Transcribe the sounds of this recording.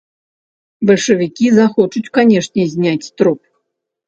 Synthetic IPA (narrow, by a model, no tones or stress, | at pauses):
bɐlʲʂɐvʲikʲizaxɔt͡ʂut͡sʲkanʲɛʂnʲɛzʲnʲat͡sʲt̪ɾup